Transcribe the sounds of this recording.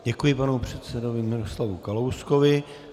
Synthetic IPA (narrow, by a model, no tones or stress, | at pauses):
ɟɛkujɪpanupr̝̥ɛt̪sɛdo̞vɪmɪɾo̞slavukalowskovɪ